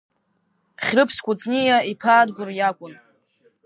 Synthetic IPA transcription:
χʲrɨpʰskʷʰʼʊt͡sʼnijaipʰaːdɡʷʊrjakʷʼʊn

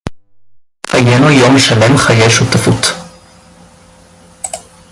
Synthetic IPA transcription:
ajenujomʃalemχajeʃut̪afut̪

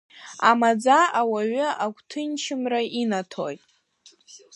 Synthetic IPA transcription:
amad͡zaawaɥʏaɡʷtʰɨnt͡ʃʰɪmrainatʰo̰jtʼ

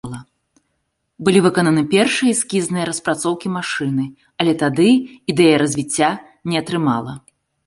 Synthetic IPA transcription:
lˠɐ | bɨlʲivɨkɔnɐnɨpʲɛrʂɨjɐsʲkʲiznɨjɐɾɐspɾat̪sɔwkʲimaʂɨnɨ | ɐlʲɛt̪ad̪ɨid̪ɛjɐɾɐzʲvʲit͡sʲːa | nʲɛɐt̪ɾɨmalˠɐ̰

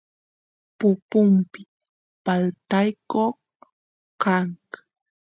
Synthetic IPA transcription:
pʊpʊmpɪ | palt̪ajkoχ | kaŋk

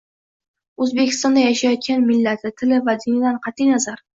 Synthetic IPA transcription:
ɵzbekʲɪ̥st̪ɒnd̪ajaʃajɒt̪̚kʲanmɪlːat̪ʰɪt̪ʰɪlɪvad̪ɪnɪd̪anqʰɑt̪ʰːijnazaɾ

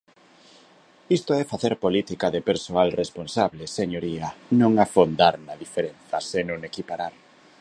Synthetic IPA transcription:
ist̪oɛfaθeɾpolit̪ikaðepeɾsoalresponsaβleseɲoɾianõŋafond̪aɾnaðifeɾen̟θɐsenoŋekipaɾaɾ

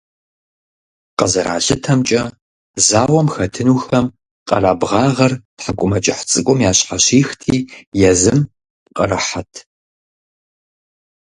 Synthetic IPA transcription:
qɐzɐɾa̰ːɮɪtʰɐmt͡ʃʼɐ | zaːwɔmxɐtʰɨnuːxɐm | qʼɐ̰raːbʁɑːʁɐrtħakʷʼʊmɐt͡ʃʼɐħt͡sʼɨkʷʼɔmjaːɕħaɕiːxtʰiːjɛzɨm | qʼɐ̰rɐħatʰ

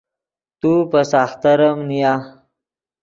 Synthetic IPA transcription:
t̪upəsaːxt̪əɾəmnija

